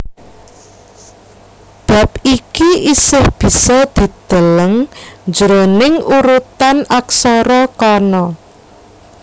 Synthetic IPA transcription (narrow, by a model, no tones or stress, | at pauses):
b̥a̤p̚ikiʔisɪhb̥i̤sɔd̪̥i̤d̪̥ə̤ləŋd͡ʒəɾonɪŋuɾut̪anaksɔɾɔkɔnɔ